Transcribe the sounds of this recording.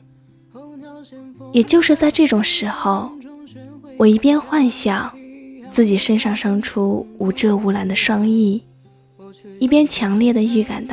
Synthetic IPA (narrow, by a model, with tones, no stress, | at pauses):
jɛ˨˩t͡ɕjo˥˧ʊʂɻ̩˥˧t͡sa˥˧ɪʈ͡ʂɤ˥˩ʈ͡ʂʊ˨˩ŋʂɻ̩˧˥xo˥˧ʊ | wɔ˨˩i˧˥˩pjɛ˥nxwa˥˧nɕjɑ˥˩t͡sɹ̩˥˩t͡ɕi˨˩ʂə˥nʂɑ˥˩ŋʂɤ˥ŋʈ͡ʂʰu˥u˧˥˩ʈ͡ʂɤ˥˩u˧˥la˧˥nd̪ə˧ʂwɑ˥ŋi˥˩ | i˥˩pjɛ˥nt͡ɕʰjɑ˧˥ŋljɛ˥˩d̪ə˩y˥˩ka̰˨˩nt̪